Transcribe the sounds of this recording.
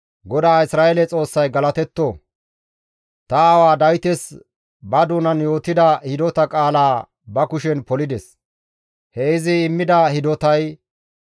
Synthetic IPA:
ɡɔd̪aːɪsɾaːʔɛlɛt͡sʼo̞ːsːɐjɡɐlɐt̪ɛt̪ːo | t̪ɐːwaːd̪ɐjt̪ɛs | bɐd̪uːnɐnjo̞ːt̪ːɪd̪ɐhɪd̪ɔt̪ɐkʼaːlaː | bɐkʊʃɛnpɔlɪd̪ɛs | hɛɪzɪːmːɪd̪ɐhɪd̪ɔt̪ɐj

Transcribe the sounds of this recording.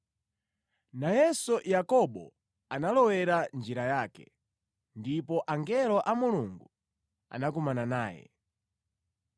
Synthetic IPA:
najɛsujakɔɓɔ | analɔwɛɾand͡ʒiɾajaːkɛ̰ | ndipɔʔaŋɡɛlɔʔamuluŋɡu | a̰nakumananaːjɛ̰

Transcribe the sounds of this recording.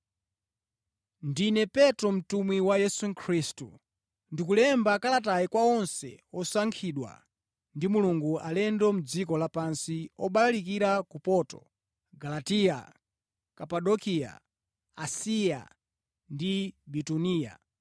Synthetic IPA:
ndinɛpɛtɔm̩tumwiwajɛsuŋkʰɾistṵ | ndikulɛmbakalat̬ajikwaɔnsɛ̰ɔsaŋkʰiɗwa̰ | ndimuluŋɡualɛndɔmud͡zikɔlapansiɔɓalalikiɾakupɔtɔ̰ | ɡalatia̰ | kapaɗɔkia̰ | asija̰ | ndibituniːja̰

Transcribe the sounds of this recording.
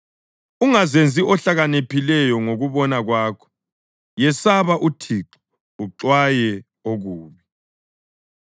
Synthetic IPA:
uŋazend͡zʱiʔɔɬaɣanepʰilɛjɔŋoɣuβɔnaɣwaːkʰɔ̥ | jɛsaβaʔutʰiǁi̥ | uǁwajɛ | oɣuːβi

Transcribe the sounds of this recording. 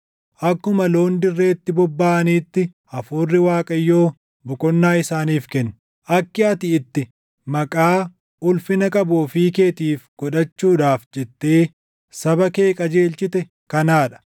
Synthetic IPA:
ʔɐkːʊmɐloːnd̪ɪrːe̞ːt̪ːɪbɔbːaːniːt̪ːɪ | ɐfuːrːɪwaːkʼɐjːo̞ː | bɔkʼɔnːaːɪsaːniːfkɛnː | ʔɐkːɪɐt̪ɪɪt̪ːɪ | mɐkʼaː | ʔʊlfɪnɐkʼɐboːfiːke̞ːt̪iːfɡ̥ɔᶑɐt͡ʃːuːᶑaːfd͡ʒɛt̪ːeː | sɐbɐke̞ːkʼɐd͡ʒe̞ːlt͡ʃɪt̪ɛ | kɐnaːᶑɐ̥

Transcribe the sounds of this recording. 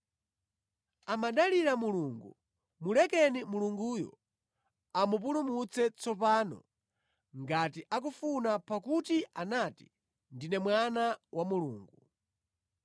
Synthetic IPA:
amaɗaliɾamuluŋɡṵ | mulɛkɛnimuluŋɡuːjɔ̰ | amup̬ulumut͡sɛt͡sɔpaːnɔ̰ | ŋɡatiʔak̬ufunapakutianati̥ | ndinɛmwanawʔamuluːŋɡu

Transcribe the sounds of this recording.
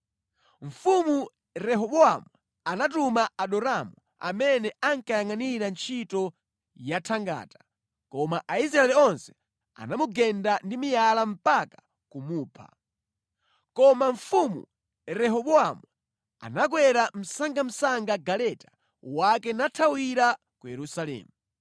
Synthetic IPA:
ɱ̩fumu | rɛɦɔɓɔamu | anatumaaɗɔɾamu | a̰mɛnɛaŋkajaŋaniɾant͡ʃʰitɔ | jatʰaŋɡa̰ːtḁ | kɔmaʔaisɾaɛlɛɔnsɛ̥ | a̰namuɡɛndandimijalam̩pakḁ | kumuːpʰa̰ | kɔmaɱ̩fumṵ | ɾɛɦɔɓɔamu | a̰nak̬wɛɾam̩saŋɡam̩saŋɡaɡalɛtḁ | wakɛnatʰawiɾa | kujɛɾusalɛ̰ːmu

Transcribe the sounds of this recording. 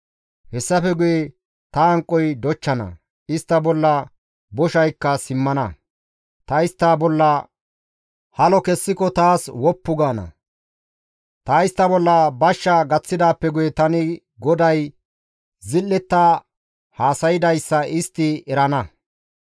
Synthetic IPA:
hɛsːɐfɛɡʊje | t̪ɐɐŋkʼːɔjd̪ɔt͡ʃːɐnɐ̰ | ɪst̪ːɐbɔlːɐ | bɔʃɐjkːɐsɪmːɐnɐ | t̪ɐɪst̪ːaːbɔlːɐ | hɐlɔkɛsːɪkɔt̪aːswɔpːʊɡaːnɐ̰ | t̪aːɪst̪ːɐbɔlːɐbɐʃːɐɡɐt͡sːɪd̪aːpːɛɡʊjɛt̪ɐnɪ | ɡɔd̪ɐj | zɪlːɛt̪ːaː | haːsɐjɪd̪ɐjsːɐʔɪst̪ːɪɛɾɐnɐ

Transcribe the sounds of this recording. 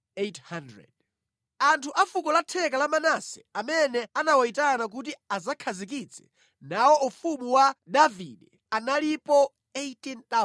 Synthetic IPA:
ethandɹɛ̰d̥̚ | antʰuʔafukɔlatʰɛkalamanasɛ̥̰amɛnɛanawaitanak̬ut̬iazakʰazik̬it͡sʰɛ̥ | nawɔufumuwadavḭdɛ | analipɔ | etint̪a

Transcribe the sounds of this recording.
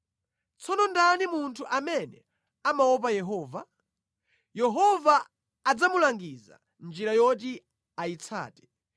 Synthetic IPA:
t͡sʰɔnɔndanimuntʰuʔamɛnɛ̰ | amaɔp̬ajɛɦɔːva | jɛɦɔvaː | d͡zamulaŋɡiza̰ | nd͡ʒiɾajɔt̬i | ait͡sʰa̰ːtɛ̥

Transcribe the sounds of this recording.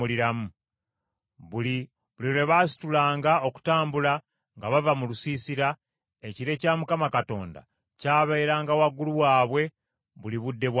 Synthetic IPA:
uliɾamu | i | βuliɾeβasi̥tulaːŋɡao̞ku̥taːmbula | ŋɡaβavamulusiːsiɾa | eciɾe̞caːmukamakato̞̰ːnda̰ | caːβeiɾaːŋɡawaɡuluwaːβwe̞ | βuliβudːe̞βw

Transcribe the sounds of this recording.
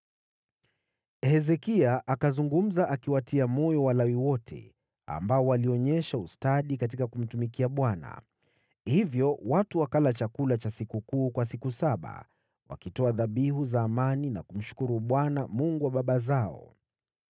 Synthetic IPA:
hɛzɛkiaʔakazuŋɡum̩zaʔakiwatʰiamɔjɔwalawiwɔtʰɛ̰ | a̰mbaɔwaliɔɲɛʃaustaɗikat̬ikakum̩tumikiaɓwana̰ | hivjɔwatuwakalat͡ʃakulat͡ʃasikukuːkwas̬ikusaɓa̰ | wa̰kitɔaðaɓiɦuzaːmanina̰kum̩ʃu̥kuɾuɓwanamuŋɡuwaɓaɓazaɔ̰

